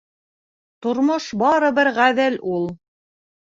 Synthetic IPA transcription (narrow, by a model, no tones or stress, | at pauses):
t̪ŏɾmoʃbɑɾɤ̆βɘɾʁæðɘlulˠ